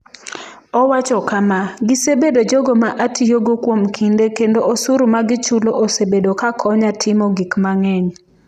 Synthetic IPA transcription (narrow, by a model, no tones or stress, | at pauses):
ɔwat͡ʃɔkamaɡisebedod͡ʒoɡomaʔatʰijoɡokwomkʰindekendoʔosuɾumaɡɪt͡ʃuloʔosebedokakʰɔɲatʰɪmɔɡikmaŋɛɲ